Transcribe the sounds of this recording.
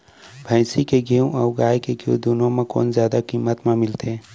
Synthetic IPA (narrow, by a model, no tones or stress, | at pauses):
bʱɛ̃ːsikeɡiũʔɔːɡaːjkeɡiũd̪uːnõmẽko̰ːnzjaːd̪akiːmət̪mãmɪlt̪eː